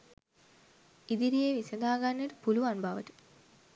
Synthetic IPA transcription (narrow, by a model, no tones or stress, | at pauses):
id̪iɾijeːʋisɐd̪aːɡanːeʈəpuluʋanbaʋə̰ʈə̥